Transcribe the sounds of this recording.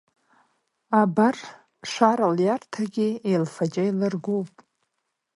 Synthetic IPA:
abar | ʂʷaɾaljartʰaɡʲiejlfad͡ʒʼajlɨrɡʷowpʼ

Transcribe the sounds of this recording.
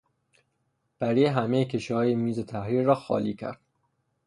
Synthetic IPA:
b̥æɾiɦæmejecʰeʃihɒːjemiːze̞t̪ʰæhɾiːɾːɒːxɒ̰ːliːcʰæ̰ɾd̪̥

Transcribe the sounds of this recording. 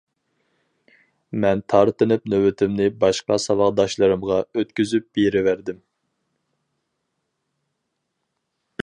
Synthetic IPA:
mɛnt̪ʰɑɾt̪ɨnɨpnøwɪt̪ʰɪmnɪbɑʃqɑsɑlɑʁd̪ɑʃlˠɨɾɨmʁɑøt̪kʲyzyp̚b̥eɾɪvæɾd̪ɪm

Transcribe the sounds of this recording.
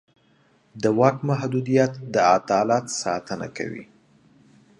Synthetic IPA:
d̪əwɑkmaɦd̪ud̪ijat̪d̪əat̪ɑlɑt̪sɑ̰t̪əna̰ka̰wḭ

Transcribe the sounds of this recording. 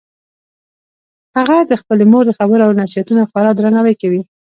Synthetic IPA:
haɣad̪əxpəlemoɾd̪əxabəɾoawnasijat̪unaxwaɾɑd̪ɾanawajkawi

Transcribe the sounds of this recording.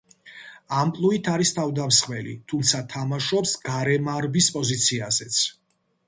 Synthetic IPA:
ampʼlˠuit̪ʰaɾist̪ʰavd̪amsχvɛlḭt̪ʰumt̪sʰat̪ʰamaʃɔpsɡ̥aɾɛmaɾbispʼɔzit̪sʰiazɛt̪sʰ

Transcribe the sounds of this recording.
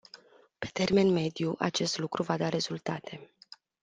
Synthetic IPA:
pe̞̥t̪e̞rme̞nme̞d̪juʔa̰t͡ʃe̞st̪lukɾuvad̪aɾe̞zult̪at̪ʰe̞

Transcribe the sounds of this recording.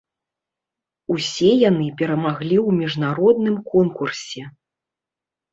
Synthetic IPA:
usʲɛjanɨpʲɛɾɐmaɣlʲiwmʲiʐnaɾɔd̪nɨmkɔnkursʲɛ

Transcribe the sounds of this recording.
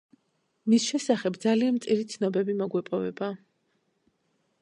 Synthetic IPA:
misʃɛsaχɛbd̪zalianmt̪sʼiɾit̪sʰnɔbɛbimɔɡwɛpʼɔvɛ̰ba

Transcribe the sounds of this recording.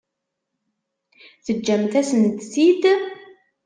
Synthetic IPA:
θəd͡ʒːæmt̪æsənt̪sid̪

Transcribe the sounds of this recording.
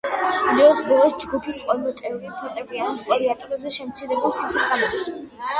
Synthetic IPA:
d̪ɛɔχbɔlˠɔsd͡ʒɡupʰisqʼɔmɔt̪ʼɛvɾipʰɔt̪ʼɛbianiqʼɔɾiat̪ʼɛɾazɛʃɛmt̪sʰiɾɛbulˠsʰiχʰisɡamɔd̪s

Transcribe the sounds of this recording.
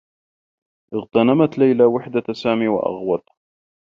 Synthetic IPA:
ʔɪɣt̪anamat̪lajlawɪħd̪asaːmiːwa̰ʔɑ̰ɣwɑt̪ˤ

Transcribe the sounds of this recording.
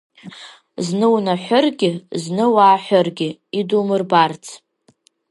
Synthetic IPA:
znɨwnaħʷʊrɡʲɪznɨwaːħʷʊrɡʲɪidumɨrbart͡sʰ

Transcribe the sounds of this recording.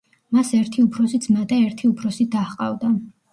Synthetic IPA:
masɛɾt̪ʰiupʰɾɔsit̪sʰmat̪ʼɛɛɾt̪ʰiupʰɾɔsid̪aχqʼa̰vd̪a

